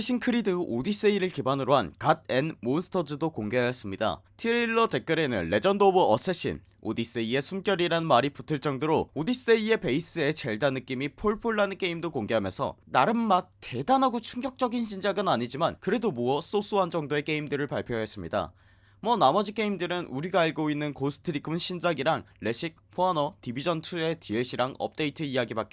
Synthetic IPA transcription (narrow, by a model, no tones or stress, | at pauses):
ɕ͈ʰinkʰɯɾidɯʔodis͈eiɾɯɭkibanɯɾoɦankad̚e̞nmonsʰɯ̥tʰʌd͡ʑɯdokoŋɡeɦajʌs͈ɯmɲida̰tʰiɾiɭːʌte̞k͈ɯɾe̞nɯ̰nːe̞d͡ʑʌndobuʌs͈ʰeɕ͈ʰḭn | o̰dis͈eie̞sʰumk͈jʌɾiɾanɯnmaɾiputʰɯɭt͡ɕ͈ʌŋdoɾoodis͈e̞ie̞pe̞is͈ɯe̞t͡ɕe̞ɭdanːɯk͈imipʰoɭpʰoɭːanɯk͈e̞imdokoŋɡe̞ɦamjʌ̰nsʰʌ̰naɾɯnmat̚te̞danɦaɡot͡ɕʰuŋɡjʌk̚t͡ɕ͈ʌɡinɕʰind͡ʑaɡɯnaɲid͡ʑimankɯɾe̞domuʌs͈os͈uɦand͡ʑʌŋdoe̞k͈e̞imdɯɾɯɭpaɭpʰjoɦe̞s͈ɯmɲḭda̰ | mwʌnamʌd͡ʑik͈e̞imdɯɾɯnuɾiɡaːɭɡoinːɯnkosʰɯ̥tʰɯɾikʰɯnɕʰind͡ʑaɡiɾaŋɭe̞ɕ͈ʰik̚ɸoanʌtibid͡ʑʌntʰue̞tʰieɕʰiɾaŋʌ̰p̚t͈e̞itʰɯijaɡibake